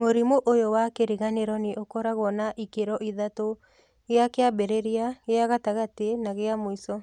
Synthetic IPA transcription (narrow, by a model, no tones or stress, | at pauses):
moɾimoʔojowakeɾiɣaneɾɔneʔokɔɾaɣɔnaʔikeɾɔʔiðato | ɣeakeabeɾeɾiaɣeaɣataɣatenaɣeamoisɔ